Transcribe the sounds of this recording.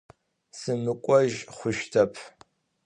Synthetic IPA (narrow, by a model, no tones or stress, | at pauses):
sɨmɨkʷʼɔʒχʷʊʃtʰɐpʰ